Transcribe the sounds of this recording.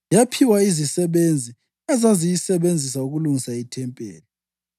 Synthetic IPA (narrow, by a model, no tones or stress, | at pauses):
japʰiwaizisɛβend͡zʱi | azazijisɛβend͡zʱis̬auɣuluŋisaitʰɛmpʼḛːlɔ